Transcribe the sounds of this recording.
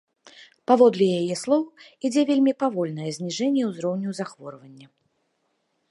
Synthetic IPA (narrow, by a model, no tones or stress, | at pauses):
pavɔd̪lʲɛjajɛslˠɔwid͡zʲɛvʲelʲmʲipavɔlʲnɐjɛzʲnʲiʐɛnʲːjɛwzɾɔwnʲuwzaxvɔɾvɐnʲːɐ